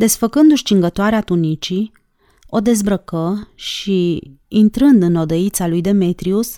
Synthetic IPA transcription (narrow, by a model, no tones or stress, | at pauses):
d̪e̞sfəkɨnd̪uʃt͡ʃiŋɡət̪oaɾeat̪unit͡ʃi | o̞d̪e̞zbɾəkəʃiint̪ɾɨnd̪ɨno̞d̪əit̪salujd̪e̞me̞t̪ɾius